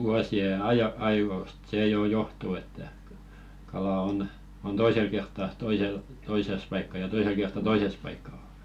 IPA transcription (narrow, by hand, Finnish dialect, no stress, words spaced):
ʋuɑsie ɑj ɑiʋoˑst seˑ joˑ johtuː etːæ kɑlɑ on on toisel kertːɑ toisel toises pɑikːɑ jɑ toisel kertːɑ toises pɑikːɑ